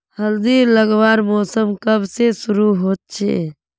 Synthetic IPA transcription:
həld̪iːɾləɡʋaːɾmɔːsəmkəbʱsesuɾuɦoːt̪̚t͡ʃʰḛ

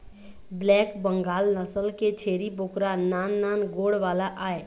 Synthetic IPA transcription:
blɛːkbəŋɡaːlnəsəlket͡ʃʰeːɾiboːkɾanaːnːaːnɡoːɽʋaːlaʔaːe

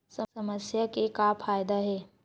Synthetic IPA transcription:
sɐsɐməsjakekapʰaːjd̪aɦɛː

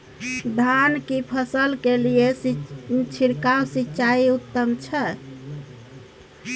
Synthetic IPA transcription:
d̪ʱankipʰəsəlkelije | t͡ʃʰiɾkawsitːt͡ʃaiut̪ːəmt͡ʃʰɛ

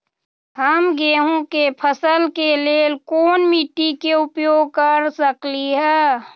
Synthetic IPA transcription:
həmɡeːɦõkepʰəsəlkeleːlkoːnmiʈ̪ikeʊpjoːɡ̚kəɾsəkliɦɛː

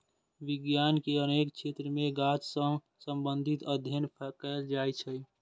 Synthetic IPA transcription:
ʋɪɡjaːnkeəneːkt͡ʃʰet̪ɾəmẽɡat͡ʃsə̃ | sə̃mbə̃nd̪ʱit̪əd̪ʱjənpʰəkəld͡ʒaːjt͡ʃʰə

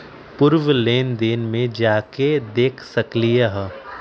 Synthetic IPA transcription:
pʊɾʋleːnd̪eːnmẽd͡ʒaːked̪eːkʰsɐklieɦɛ

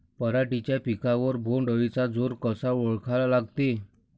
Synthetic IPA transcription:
pəɾaʈit͡ɕjapikaʋəɾbʱoɳɖʱəʋit͡sad͡zoɾkəsaɔɭkʰalalaɡt̪e

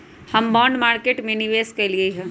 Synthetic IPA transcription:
hɐmbɔ̃ːɳɖmaːɾkeʈmeniʋeskɐliəɦɛ̃

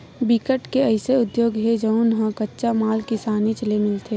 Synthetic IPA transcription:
bɪkəʈkeɐɪseʊd̪joːɡɦed͡ʒɐʊnɦə̃kətːʃamaːlkɪsaːnit͡ʃəlemɪlt̪ʰe

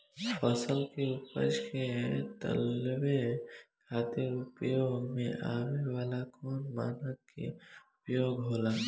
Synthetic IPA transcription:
pʰəsəlkeʊpə̰d͡ʒkẽt̪ə̰lʋekʰaːt̪eɾʊpjomḛ̃ʔaːʋeʋaːlakɔːnma̰ːnəkːḛʊpjoːɡɦoːlaː

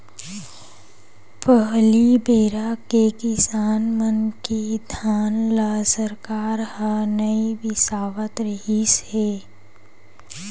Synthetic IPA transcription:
pəɦlibeːɾakekɪsaːnmənkid̪ʱaːnlasəɾkaːɾhənəiʋɪsaːʋət̪ɾəɦiseː

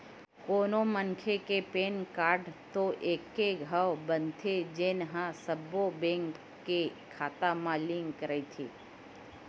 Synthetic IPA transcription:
koːnomənkʰekepenkaːɾɖt̪oʔeːkːeɡʱəʋbənt̪ʰed͡ʒeːnɦãsəbobẽŋkː | e | kʰaːt̪amãlɪ̃ŋkɾəit̪ʰi

